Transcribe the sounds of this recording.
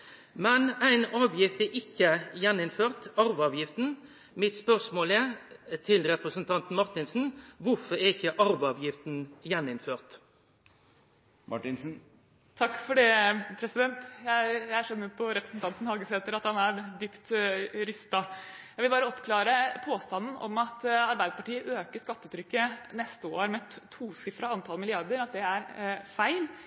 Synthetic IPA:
mɛnæɪnɑːʋjɪft̪ɛɾʔɪkːəjɛnɪnføːʁt̪ɑɾʋɑːʋjɪft̪n̩ | mɪt̪spœʁʂmoːlɛt̪ʰɪlɾɛpɾəsənt̪ʰɑnt̪n̩mɑɾʁt̪ɪnsn̩ʋʊɾfɔɾɛɪçːəʔɑɾʋɑːʋjɪft̪n̩jɛnɪnføːʁt̪ | mɑ̰ʈɪnsn̩ | t̪ʰɑkːfɔɖɛpʰɾɛsɪd̪ɛnt̪jæɪjææʂœnːəɾpʰɔɾɛpɾəsn̩t̪ʰɑnt̪n̩hɑlɡəseːt̪əɾɑt̪hɑnæɾd̪yːpt̪ɾʏst̪ɑjæɪʋɪlbɑːɾəɔpkʰlɑːɾəpʰoːst̪ɑnːn̩ʔɔ̰mɑt̪ɑɾbæɪd̪əpɑʈiːəʔøːkəʂkɑt̪ːət̪ʰɾʏkːənɛst̪əoːɾmɛt̪ʰːuːsɪfɾɑɑnt̪ʰɑlmɪlɪɑɾd̪əɾɑt̪̚d̪ɛæɾfæɪl

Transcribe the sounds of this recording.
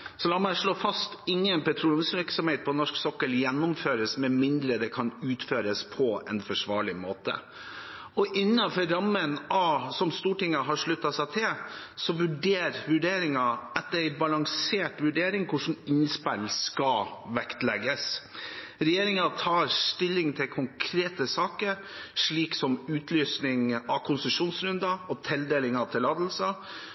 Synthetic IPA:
sɔlɑmæʂɭoːfɑst̪ɪŋːənpɛt̪ʰɾuːlnsʋɪɾksɔmheɪt̪̚pʰɔnɔʂksɔkːəɭjɛnːʊmføːɾəsmɛmɪnd̪ɾəd̪ɛkʰɑnʉːt̪føːɾəspʰɔɛ̰nfɔʂʋɑːɭɪmoːt̪ə̰ | ɔʔɪnːɑfɔɾɑmːənɑsɔmst̪uːʈɪŋːəɦɑʂɭʉt̪ːɑsæt̪ʰɪl | sɔʋʉɖeːɾʋʉɖeːɾɪŋɑɛt̪ːəɾæɪbɑlɑŋseːʈʋʉɖeːɾɪŋkʰʊʂn̩ɪnspælskɑʋɛkt̪lɛɡəs | ɾɛjeːɾɪŋɑt̪ʰɑːɾst̪ɪlːɪŋt̪ʰɪlkʰʊŋkʰɾeːt̪əsɑːkəɾ | ʂɭiːksɔmʉːt̪ʰlyːsnɪŋɑkʰʊnsəʂuːnsɾʉnd̪ɑɔt̪ʰɪld̪eːlɪŋɑt̪ʰɪlːɑːd̪l̩sə

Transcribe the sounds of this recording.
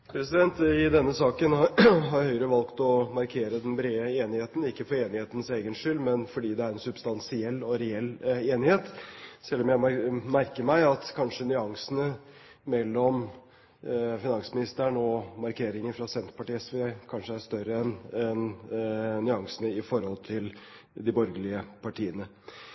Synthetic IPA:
pʰɾɛsɪd̪ɛnt̪ɪd̪ɛnːəsɑːkənɦɑɾhœʏɾəʋɑlkt̪ɔmɑɾkʰeːɾəd̪ɛnbɾeːəeːnɪheːt̪ən̩ɪkːəfɔɾeːnɪheːt̪ənseːɡənʂʏlmɛnfɔɖiːd̪ɛæɾɛnsʉbst̪ɑnsɪɛlːɔɾɛɛlːeːnɪheːt̪sɛlːɔmjæɪmæɾkəɾmæɪɑt̪kʰɑnʂənʏɑŋsənə | mɛlːɔm | fɪnɑŋsmɪnɪst̪əɳɔmɑɾkʰeːɾɪŋəfɾɑsɛnt̪ɾəpɑʈiːsʋɛkʰɑnʂəæʂt̪œɾəɛnɛn | nːʏɑŋsənəɪfɔɾhɔlt̪ʰɪl | d̪ɪbɔɾɡəlɪəpʰɑʈʰiːənə

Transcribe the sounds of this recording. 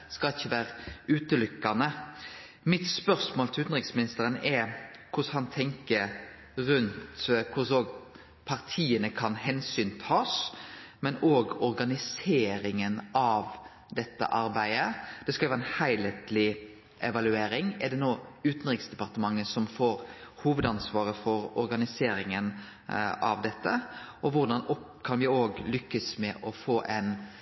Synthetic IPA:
skɑlɪçːəʋæːɾəʉːt̪əlʏkːɑnə | mɪt̪spœɾsmoːlt̪ʰɪʉːt̪nʁɪksmɪnɪst̪əɾənɛkʰʊshɑnt̪ʰɛŋkəɾ | ɾʉnt̪kʰʊsoːɡ | pʰɑɾt̪ʰiːənəkʰɑnhɛnsyːnt̪ʰɑːsmɛnoːɡɔɾɡɑnɪseːɾɪŋənɑʋ | d̪ɛt̪ːə̰ʔɑɾbæɪəd̪̥ɛskɑlʋɛːʁɛɪnhæɪlet̪lɪ | ʔɛʋɑlʉeːɾɪŋɛʁd̪ɛnoːʉːt̪n̩ɾɪksd̪ɛpɑʁt̪əmɑŋːəsɔmfoːɾhuːʋəd̪ɑnsʋɑːɾəfɔɾɔɾɡɑnɪseːɾɪŋən | ɑ̰ʋd̪ɛt̪ːəʔɔʋʊɾd̪ɑnɔkʰɑnʋɪoːɡlʏkːəsmɛʔɔfoːʔæ̰ɪn

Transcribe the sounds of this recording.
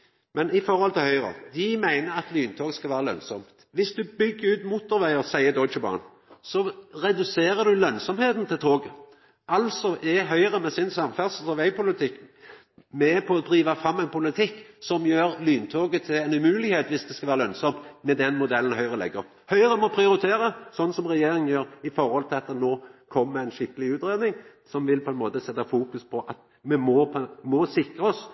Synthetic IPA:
mɛnɪfɔɾhɔlt̪ʰɪlhœʏɾə̰d̪ɪmæɪnəɾɑt̪lyːnt̪ʰoːɡəskɑʋæːʁəlœ̰nsɔm | ʋɪsd̪ʉbʏɡːəɾʉːt̪muːt̪ɔɾʋæɪəsæɪəd̪ɔt͡ʃəbɑ̰ːn | sɔɾɛd̪ʉseːɾəd̪ʉlœnsɔmheːt̪n̩t̪ʰɪlt̪ʰoːɡə | ʔɑlsɔʔɛɦœʏʁəmɛsɪnsɑmfæʁsəl̩sɔʋæɪpʰʊlɪt̪ʰɪkː | mɛpʰɔɔd̪ʁiːʋɑfʁɑmːɛɪnpʰʊlɪt̪ʰɪkːsɔmjøːɾlyːnt̪ʰoːɡət̪ʰɪɛnʉmʉːlɪheːt̪ʋɪsd̪ɛskɑʋæːʁəlœnsɔmt̪mɛd̪ɛnmʊd̪ɛlːən̩ɦœʏʁəlɛ̰ɡːəɾ | hœʏɾəmɔpʰɾɪʊɾɪt̪ʰeːɾəsɔnːsɔmʁɛjeːɾɪŋənjøːɾɪfɔɾhɔlt̪ʰɪlɑt̪ːənoːkʰɔmːəæɪnʃɪkːəlɪʉːt̪ɾeːd̪nɪŋ | sɔmʋɪlpʰɔɛnmoːt̪əsɛt̪ːɑfuːkʉspʰɔʔɑt̪ | mɛmɔpʰmɔsɪkʁəɔs

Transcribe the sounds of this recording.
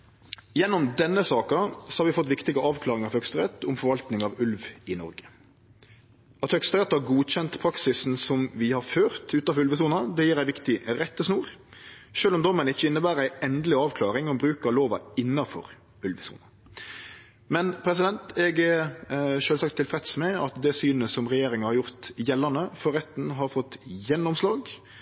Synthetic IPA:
jɛnːɔmd̪ɛnːəsɑːkɑsɔ̥hɑɾʋɪfɔt̪ːʋɪkt̪ɪɡəɑːʋkʰlɑːɾɪŋɑʋhœkst̪əʁɛt̪ːʊmfɔɾʋɑlt̪nɪŋɑʋʉlʋɪnɔɾɡə̥ | ɑt̪hœkst̪əʁɛt̪ːhɑɾɡuːɕɛnt̪pʰɾɑksɪsn̩sɔmʋɪhɑɾføːʁt̪ʉːt̪ɑfɔʁʉlʋəs̬uːnɑd̪ɛjiːɾæɪʋɪkt̪ɪɾɛt̪ːəsnuːɾ | ʃøːlɔmd̪ɔmənɪt͡ʃːəɪnːəbæːɾæɪɛnd̪əlɪɑːʋkʰlɑːɾɪŋɔmbɾʉːkəɾloːʋɑ̰ɪnːɑfɔ̰ɾ | ʉlʋəsṵːnɑ | mɛnpʰɾɛsɪd̪ɛnt̪ɛɡəʃøːlsɑkt̪ʰːɪlfɾɛt̪smɛɑt̪d̪ɛsyːnəsɔmʁɛjeːɾɪŋɑhɑɾjʊʁt̪jɛlːənəfɔɾɛt̪ːn̩ɦɑɾfɔt̪jɛnːɔmslɑːɡ

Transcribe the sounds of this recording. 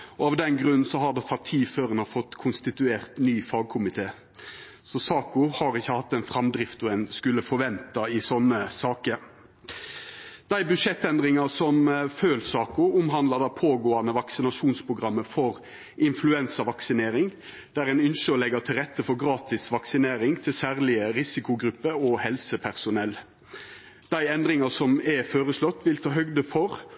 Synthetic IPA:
ɔɑʋd̪ɛnɡɾʉnːn̩sɔɦɑd̪ɛt̪ʰɑt̪ʰːiːføːɾənɑfɔt̪ːkʰʊnst̪ɪt̪ʉeːʁt̪nyːfɑːɡ̚kʰʊmɪt̪ʰeː | sɔsɑːkʊhɑːɾɪçːəhɑt̪ːɛɪnfɾɑmd̪ɾɪft̪ɔɛnskʉlːəfɔɾʋɛnt̪ɑɪsɔnːəsɑːkəɾ | d̪̥æɪbʉd̪ʂɛt̪ːɛnd̪ʁɪŋɑsɔmføːlsɑːkʊʊmɦɑnd̪lɑd̪ɑpʰoːɡoːɑnəʋɑksɪnɑʂuːnspʰɾʊɡʁɑmːəfɔɾ | ʔɪnflʉɛnsɑʋɑksɪneːɾɪŋ | d̪̥æɾɛnʏnʃəɔlɛɡət̪ʰɪlʁɛt̪ʰːəfɔɾɡɾɑːt̪ɪsʋɑksɪneːɾɪŋt̪ʰɪlsæːʁlɪəɾɪsɪkʊɡɾʉpːəɔhɛlsəpʰæʁsʊnɛl | d̪̥æɪɛnd̪ɾɪŋɑsɔmɛføːɾəslɔt̪ːʋɪlt̪ʰɑːɦœɡd̪əfɔɾ

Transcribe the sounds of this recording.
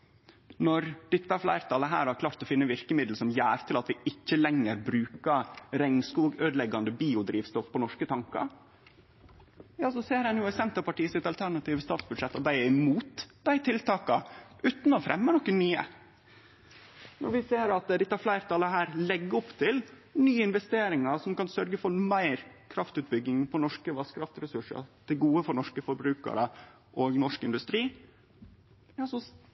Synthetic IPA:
nɔɾd̪̥ɪt̪ːəæɾflæɪɾt̪ɑːləɦæ̰ːɾhɑɾkʰlɑːɾt̪ɔfɪnːəʋɪɾkəmɪd̪l̩sɔmjæːɾt̪ʰɪlɑt̪ʋɪɪc͡çːəlɛŋːəɾbɾʉːkɑɾɛŋnskuːɡøːd̪lɛɡɑnd̪əbiːʊd̪ɾiːʋst̪ɔfpʰɔnɔʂkət̪ʰɑŋkɑ̰ɾ | jɑːsɔseːɾɛnjʊæsɛnt̪əpɑʈiːəsɪt̪ɑlt̪ʰæɾɳɑt̪iːʋəst̪ɑːt̪sbʉd̪ʂɛt̪ːɔt̪̚d̪æɪɪmuːt̪d̪æɪt̪ʰɪlt̪ʰɑːkɑʔʉːt̪n̩ɔfɾʔɛ̰mːənɔkːənyːə̰ | nɔ̰ɾʋɪseːɾɑt̪d̪ɪt̪ːɑɾflæɪɾt̪ʰɑləɦæːɾlɛɡːəɔpt̪ʰɪl | nyːəɪnʋɛst̪eːɾɪŋɑsɔmkɑnsœɾɡəfɔɾmæɪɾkʰɾɑft̪ʉːt̪̚bʏɡɪŋpʰɔnɔʂkəʋɑskʰɾɑft̪ɾɛsʉʂə̰t̪ʰɪlɡuːəfɔɾɳɔʂkəfɔɾbɾʉːkɑ̰ɾə | ʔoɡnɔʂkɪnd̪ʉst̪ɾiː | jɑːsɔ

